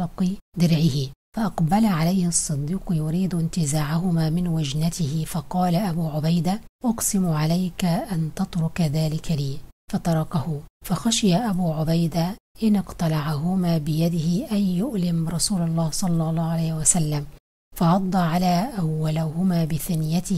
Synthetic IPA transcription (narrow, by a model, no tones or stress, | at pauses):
ɑqd̪ɪɾʕɪhɪfɑʔɑqbalaʕalajhɑsˤːɨd̪ːiːqjʊɾiːd̪ɪnt̪ɪzaːʕaɦʊmaːmɪnwad͡ʒnat̪ɪhɪfɑqɑːlaʔabuːʕʊbajd̪a | ʔʊqsɪmʕalajkaʔant̪ɑt̪ɾʊkaðaːlɪkʰaliːfɑt̪ɑɾˤɑkahʊfɑxaʃɪjaʔabuːʕʊbajd̪a | ʔɪnɪqt̪ˤɑlɑʕaɦʊmaːbɪjad̪ɪhɪʔajjʊʔlɪmɾˤɑsuːlɑlˤːɑːhsˤɑlːɑlˤːɑːhʕalaːjhɪwasalːam | fɑʕɑd̪ˤːɑʕalaːʔawːalahʊmaːbɪθanɪjat̪ɪ